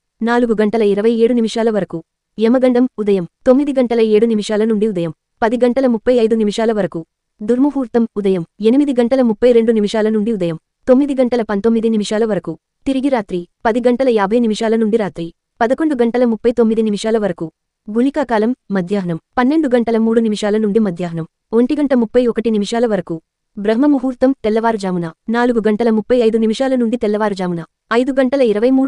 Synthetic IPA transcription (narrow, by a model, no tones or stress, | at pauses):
naːluɡuɡɐɳʈɐlɐiɾɐʋɐjeːɽunimiʂaːlɐʋɐɾɐku | ɛmɐɡɐɳɖɐmud̪ɐjɐmt̪o̞mːid̪iɡɐɳʈɐlɐeːɽunimiʂaːlɐnuɳɖiud̪ɐjɐm | pɐd̪iɡɐɳʈɐlɐmupːɐjɐjd̪unimiʂaːlɐʋɐɾɐku | d̪ʱuɾmupuːɾt̪ɐmud̪ɐjɐme̞nimid̪iɡɐɳʈɐlɐmupːɐjɾe̞ɳɖunimiʂaːlɐnuɳɖiud̪ɐjɐm | t̪omːid̪iɡɐɳʈɐlɐpɐnt̪omːid̪inimiʂaːlɐʋɐɾɐku | t̪iɾiɡiɾaːt̪ɾipɐd̪iɡɐɳʈɐlɐjaːbʱɐjnimiʂaːlɐnuɳɖiɾaːt̪ɾi | pɐd̪ɐkoɳɖuɡɐɳʈɐlɐmupːɐjt̪omːid̪inimiʂaːlɐʋɐɾku | ɡʱulikaːkaːlɐmːɐd̪ʱjaːɦɐnɐmpɐnːe̞ɳɖuɡɐɳʈɐlɐmuːɽunimiʂaːlɐnuɳɖimɐd̪ʱjaːɦɐnɐm | oɳʈiɡɐɳʈɐmupːɐjɔkɐʈinimiʂaːlɐʋɐɾɐku | bɾɐɦmɐmuɦuːɾt̪ɐmt̪ɛlːɐʋaːɾud͡ʒaːmunanaːluɡuɡɐɳʈɐlɐmupːɐjɐjd̪unimiʂaːlɐnuɳɖit̪ɛlːɐʋaːɾud͡ʒaːmunɐ | ɐjd̪uɡɐɳʈɐlɐiɾɐʋɐjmuː